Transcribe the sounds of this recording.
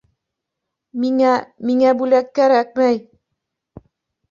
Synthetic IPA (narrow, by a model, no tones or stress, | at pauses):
miŋæmiŋæbʉlækːæɾæk̚mæj